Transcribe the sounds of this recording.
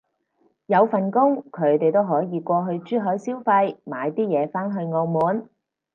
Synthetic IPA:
jɐ˨˧wfɐ˨nkʊ˥ŋkʰɵ˨˧ɥt̪e˨jt̪o˥wɦɔː˨˥jiː˨˧kʷɔː˧ɦɵ˧ɥt͡ʃyː˥ɦɔː˨˥jsiː˥wfɐ˧jma̰ː˨˧jt̪iː˥jɛː˨˧faː˥nɦɵ˧ɥŋɔː˧wmuː˨˧n

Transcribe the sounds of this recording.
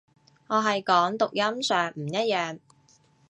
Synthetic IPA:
ŋɔː˨˧ɦɐ˨jkɔː˨˥ŋt̪ʊ˨k̚jɐ˥msœː˨ŋm̩˨˩jɐ˥t̚jœː˨ŋ

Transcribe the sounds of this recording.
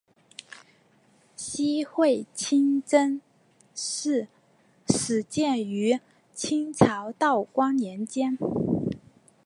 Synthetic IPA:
ɕi˥xwe˥˩ɪt͡ɕʰi˥ŋʈ͡ʂə˥n | ʂɻ̩˥˩ | ʂɻ̩˨˩t͡ɕjɛ˥˩ny˧˥ | t͡ɕʰi˥ŋt͡sʰɑ˧˥ʊt̪ɑ˥˩ʊkwɑ˥ŋnjɛ˧˥nt͡ɕjɛ˥n

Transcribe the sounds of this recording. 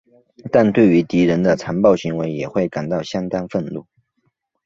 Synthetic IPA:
t̪a˥˧nt̪we˥˩ɪy˧˥t̪i˧˥ɻə˧˥nd̪ə˧t͡sʰa˧˥npɑ˥˩ʊɕi˧˥ŋwe˧˥ɪjɛ˨˩xwe˥˩ɪka˨˩nt̪ɑ˥˩ʊɕjɑ˥ŋt̪ɑ˥ŋfə˥˧nlṵ˥˩

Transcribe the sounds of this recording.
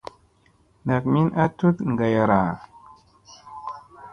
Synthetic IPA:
na˨k̚mi˦nʔa˦tu˦t̪ŋ˨ɡa˨ja˨ɾa˨

